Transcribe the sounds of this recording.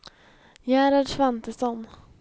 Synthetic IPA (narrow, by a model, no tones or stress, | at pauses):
jæːɾaɖʂvant̪əsɔn